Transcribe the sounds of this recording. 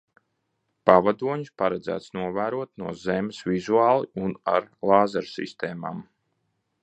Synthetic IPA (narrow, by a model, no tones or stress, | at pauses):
pavad̪uɔɲuspaɾad̪zæ̰ːt̪snuɔvæːɾuɔt̪̚nuɔzɛmsvizuaːlˠiuna̰ɾlˠɑːzaɾsḭst̪eːma̰ːm